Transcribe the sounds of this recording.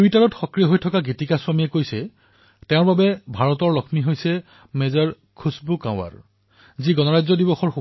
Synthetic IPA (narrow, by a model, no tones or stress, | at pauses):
uitaɹɔtxɔkɹijɔɦojtʰɔkaɡitikaswamiɛkojsɛ | tɛ̃ʊ̃ɹbabɛbʱaɹɔtɔɹlɔkʰmiɦojsɛ | mezaɹ | kʰusbukã̰ʊ̃a̰ɹ | ziɡɔnɔɹajzɔdibɔxɔɹxu